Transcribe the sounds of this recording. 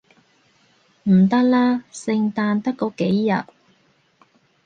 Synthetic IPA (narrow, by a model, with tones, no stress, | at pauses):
m̩˨˩t̪ɐ˥k̚laː˥sɪ˧ŋt̪aː˧nt̪ɐ˥kːɔː˨˧˥ke˨˥jːɐ̰˨t̚